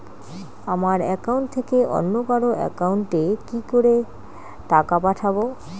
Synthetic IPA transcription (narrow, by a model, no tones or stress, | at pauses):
amaɾɛkauɳʈt̪ʰekeʔɔ̰nːobaɾoʔɛ̰kauɳʈekikoɾe | ʈakapaʈʰabo